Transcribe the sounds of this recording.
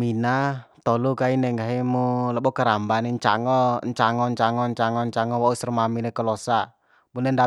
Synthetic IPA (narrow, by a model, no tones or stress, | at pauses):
inat̪ɔlukainɛŋɡaɦimuləɓɔkəɾambaneɲt͡ʃa̰ŋɔɲt͡ʃaŋɔɲt͡ʃaŋɔɲt͡ʃaŋɔɲt͡ʃaŋɔwausərmaminɛkəlɔsa | munɛnda